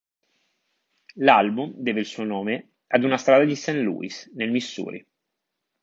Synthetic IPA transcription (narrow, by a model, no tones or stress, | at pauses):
lalbumd̪ɛːveilsuonoːme | ad̪unast̪ɾaːd̪ad̪isɛnlṵːḭsnelmisːṵːɾḭ